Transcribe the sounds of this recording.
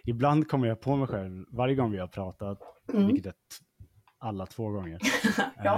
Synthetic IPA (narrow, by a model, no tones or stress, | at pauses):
ɪbland̪kʰɔmːəɾjɑːpʰɔmɛjɧɛlvvaɾjəɡɔŋːvɪhaɾpʰɾɑːt̪at̪vɪlkət̪ɛːt̪ | alːat̪ʰv̥oːɡɔŋːəɾ